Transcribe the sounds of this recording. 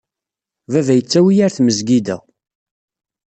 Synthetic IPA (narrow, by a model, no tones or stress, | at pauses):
vævæjət͡sːæwijæɾθməzɡid̪æ̰